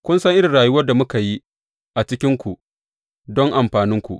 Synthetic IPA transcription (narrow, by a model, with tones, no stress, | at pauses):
kʷʊ˦nsɐ˦ŋʔɪ˦ɾɪ˨nɽaː˨ju˦wɐ˦rda˨mʊ˦ka˨ji˦ | ʔa˨t͡ʃɪ˦kʲɪ˦ŋkʷu˨ʔ | dɔ˦ŋʔa˨mɸaː˨nɪ˦ŋkʷṵ˨ʔ